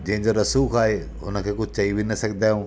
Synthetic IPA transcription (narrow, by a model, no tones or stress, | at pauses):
d͡ʑɐ̃ɦɪ̃ɲd͡ʑoɾɐsuːkʰaːɦe | ɦʊnə̆kʰeːkʊd͡ʑʱt͡ɕɐiʋinɐsɐɡʱɪd̪aːjũː